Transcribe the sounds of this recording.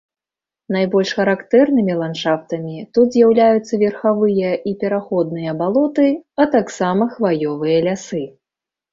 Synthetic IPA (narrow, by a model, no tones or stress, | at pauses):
najbɔlʲʂxɐɾakt̪ɛrnɨmʲilˠanʂaft̪ɐmʲit̪ut̪zʲjawlʲajut̪sːɐvʲɛrxavɨjɐʔipʲɛɾaxɔd̪nɨjɐbalˠɔt̪ɨɐt̪aksamɐxvajɔvɨjɐlʲasɨ